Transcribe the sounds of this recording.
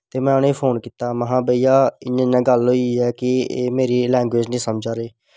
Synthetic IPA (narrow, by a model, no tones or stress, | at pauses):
t̪eːmɛ̃ːəneːpʰoːnkiːt̪aːməɦãːbəijaːɪɲãːɪnãːɡəlɦoːiɛːkɪḛːmeːɾiːlɛ̃ːŋɡweːd͡ʒnĩːsəmd͡ʒaːɾeː